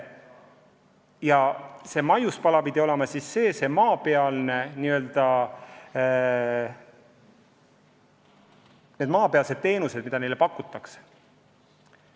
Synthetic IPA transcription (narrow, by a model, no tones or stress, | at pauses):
jɑse̞ːmɑjuspɑlɑpid̪io̞lemɑsisːe̞ːse̞mɑːpe̞ɑlne̞niøld̪̥ɑ | ne̞d̪mɑːpeɑlse̞d̪̥̚t̪e̞ːnuse̞d̪̥̚mid̪ɑne̞jle̞pɑkːˑut̪ːˑɑkse̥